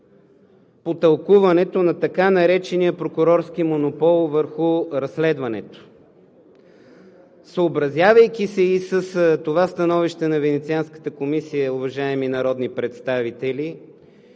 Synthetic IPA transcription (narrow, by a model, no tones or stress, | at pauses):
pot̪ɐlˠkuvɐnɛt̪onɐt̪ɐkanɐɾɛt͡ʃɛnijəpɾokʊɾɔɾsk̟imonopɔlˠvəɾxʊɾɐslɛd̪vɐnɛt̪o̥ | səːbɾɐzʲjavəjk̟ʲisɛisəst̪ovast̪ɐnɔviʃt̪ɛnɐvɛnɛt̪sianskə̥t̪əkomisijəʊvɐʒaɛminɐɾɔd̪nipɾɛt̪st̪avit̪ɛli